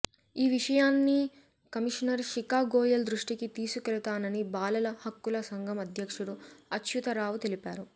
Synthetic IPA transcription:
iːʋiʂɐjaːnːi | kɐmiʂnɐɾʂikaːɡɔːjɐld̪ɾuʂʈikit̪iːsukɛlut̪aːnɐnibaːlɐlɐhɐkːulɐsɐŋɡɐmɐd̪ʱjɐkʂuɽuɐtʃut̪ɐɾaːʋut̪elipaːɾu

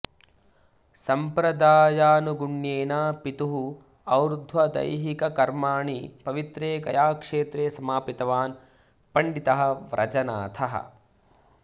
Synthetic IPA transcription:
sɐmpɾɐd̪aːjaːnuɡuɳjeːnaːpit̪uɦu | ɐwɾud̪ʱʋɐd̪ɐ̰jɦikɐkɐɾmaːɳipɐʋit̪ɾeːkɐ̰jaːkʂeːt̪ɾeːsɐmaːpit̪ɐʋaːn | pɐɳɖit̪ɐɦɐ̆ʋɾʔɐ̰d͡ʒɐna̰ːt̪ʰɐɦɐ̰

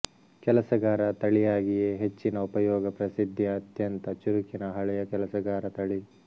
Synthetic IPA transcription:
kɛlɐsɐɡaːɾɐt̪ɐɭijaːɡijeɦet͡ʃːinɐupɐjɔːɡɐpɾɐsid̪ʱːiɐt̪jɐnt̪ɐt͡ʃuɾikinɐɦɐɭɛjɐkɛlɐsɐɡaːɾɐt̪ɐɭi

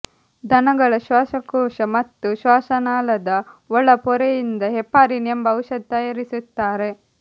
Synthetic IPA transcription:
d̪ʱɐnɐɡɐɭɐʃʋaːsɐkɔːʃɐmɐt̪ːuʃʋaːsɐnaːlɐd̪ɐɔɭːɐpɔɾejind̪ɐɦɛpːaːɾinɐmbɐɐwʃɐd̪̚ːɐjɐɾisut̪ːaːɾe̞

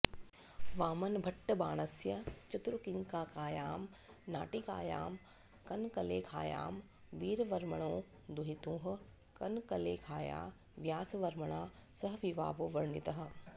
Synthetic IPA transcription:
ʋaːmɐnbʱɐʈːɐbaːɽ̃ɐsjɐt͡ʃɪt̪ɾʊkɪŋkaːkaːjaːm | na̰ːʈika̰ːja̰ːm | kɐnkɐleːkʰaːja̰ːm | ʋiːɾʋɐɾməɽ̃õː | d̪uɦit̪ũːɦʊ̆ | kɐnkɐleːkʰaːja̰ː | ʋjaːsʋɐɾməɽ̃aːsɐɦʋiʋaːboːʋɐɾɳit̪ɐɦɐ

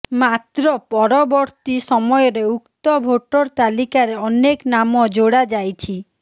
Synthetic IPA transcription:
mat̪ɾɔpɔɾɔbɔɾt̪isɔmɔjɔɾeukt̪ɔbʱoʈɔɾt̪alikaɾeɔneknamɔd͡ʒoɽad͡ʒajt͡ʃʰi

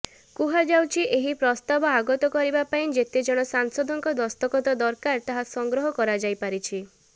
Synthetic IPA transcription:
kuɦad͡ʒawt͡ʃʰiʔeɦipɾɔst̪abɔaɡɔt̪ɔkɔɾibapaĩd͡ʒet̪ed͡ʒɔɽ̃ɔsaŋsɔd̪ʱɔŋkɔd̪ɔst̪ɔkɔt̪ɔd̪ɔɾkaɾt̪aɦasɔŋɡɾɔɦɔkɔɾad͡ʒajpaɾit͡ʃʰi

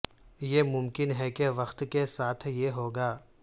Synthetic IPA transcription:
jemʊmkɪnɦɛkeʋɐxt̪kesaːt̪ʰjeɦoːɡaː

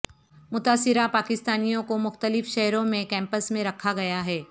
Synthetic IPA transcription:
mʊt̪aːsɪɾapaːkɪst̪aːnijõkomʊxt̪əlɪfʃɛɦɾõmẽkɛ̃ːmpəsmẽɾɐkʰaɡɐjaɦɛː

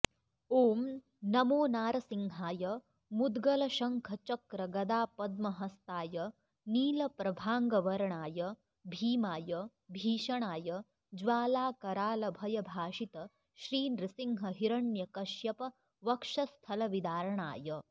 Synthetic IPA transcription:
oːm | nɐmoːnaːɾɐsiŋɦaːjɐ | mud̪ɡɐlɐʃɐŋkʰɐt͡ʃɐkɾɐɡɐd̪aːpɐd̪̚mɐɦɐst̪aːjɐ | niːlɐpɾɐbʱaːŋɡɐʋɐɾɐɳaːjɐ | bʱiːmaːjɐ | bʱiːʃɐɳaːjɐ | d͡ʒʋaːlaːkɐɾaːlɐbʱɐjɐbʱaːʃit̪ɐ | ʃɾiːnɾisiŋɦɐɦiɾɐɳjɐkɐʃjɐpɐ | ʋɐkʂɐst̪ʰɐlɐʋid̪aːɾɐɳa̰ːjɐ

